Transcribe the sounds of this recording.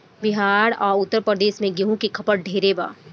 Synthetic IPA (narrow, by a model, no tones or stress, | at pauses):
bɪɦaːɾɔ̰ːɾʊt̪ːəɾpɾəd̪eːʃmẽɡeɦũkikʰɐpəɽ̚ɖʱeːɾeba̰ː